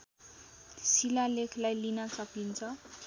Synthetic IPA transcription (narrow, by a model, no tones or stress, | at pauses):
silalekʰlajlinat͡sʌpint͡sʰʌ